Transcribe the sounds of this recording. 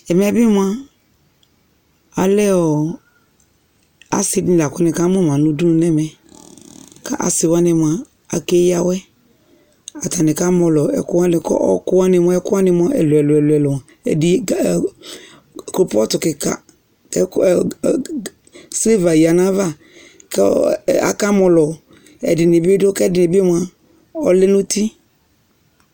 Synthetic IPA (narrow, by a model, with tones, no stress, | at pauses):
ɛ˨m˨ɛ˦bi˦mũ˦a˦ | a˨lɛ˦ɔ˨ | a̰˨si˨˦dla˨kʊ˦nɪ̃˨ka˦mɔ˦m˨ã˨nũ˦du˦nũ˨˦nɛ˦mɛ˨ | ka˦ʔa̰˨sɪ˨wa˦nɪ˨m˨a˨ | a˨ke˦ja˨wɛ˦ | a˨ta˨nɪ˨ka˦mɔ˨lɔ˨ɛ̰˨kʊ˦wa˦nɪ˨kɔ̰˦ɔ̰˦kʊ˦wa˦nɪ˨m˦ɛ˦kʊ˦a˦nɪ˨m˦a˦ʔɛ̰˨lʊ˨ɛ˨lʊ˨ɛ˨lʊ˨ɛ˨lʊ˨m˨ã˨ | ɛ̰˨di˨ | ko˨pɔ˦tʊ˨kɪ˨ka̰˨ | kɛ˦˨ | se˦va˨ja˨nã˦va˦ | kɛ˦a̰˨ka˦mɔ˨lɔ˨ | ɛ̰˨dɪ˨nɪ˨be˦dʊ˦kɛ˦dɪ˨nɪ˨be˦mʊ˨a˨ | ɔ˦lɪ˦nʊ̃˦ti˦